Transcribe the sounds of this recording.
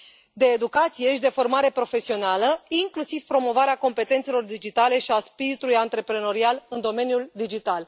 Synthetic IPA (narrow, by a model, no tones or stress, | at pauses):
d̪e̞ːd̪ukat̪sije̞ʃid̪e̞fo̞rmaɾe̞pɾo̞fe̞sio̞naləiŋklusiv̥pɾo̞mo̞vaɾeako̞mpe̞t̪e̞nt̪selo̞rd̪id͡ʒit̪ale̞ʃiaspiɾit̪ulujant̪ɾe̞pɾeno̞ɾialɨnd̪o̞me̞njuld̪id͡ʒit̪al